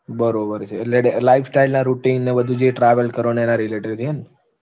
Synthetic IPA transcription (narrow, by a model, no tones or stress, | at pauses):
bəɾobəɾt͡ʃʰeːleelajfʰsʈailnaɾuʈinnebəd̪ʱũd͡ʒeʈɾaʋəlkəɾoneenaɾileʈiɾd͡ʒʰien